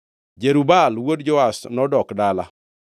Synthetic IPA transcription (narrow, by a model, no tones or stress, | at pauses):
d͡ʒeɾubalwodd͡ʒɔasnɔdɔkdala̰